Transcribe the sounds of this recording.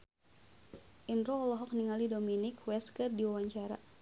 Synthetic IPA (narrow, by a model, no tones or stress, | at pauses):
ʔinrɔːlɔɦɔk̚niŋalidominɪkwɛskərdiwawaɲt͡ʃaɾa̰